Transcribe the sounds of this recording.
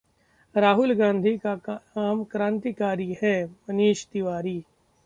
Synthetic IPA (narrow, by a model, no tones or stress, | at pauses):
ɾaːɦʊlɡãːnd̪ʱikaaːmkɾãːnt̪ikaːɾihɛmɐniːʃd̪ɪʋaːɾiː